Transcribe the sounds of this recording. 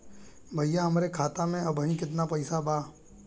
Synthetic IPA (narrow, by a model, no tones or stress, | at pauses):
bʱɐjjaɦɐmɾekʰaːt̪amẽɐbʱənĩkɪt̪napɐɪsabʱaː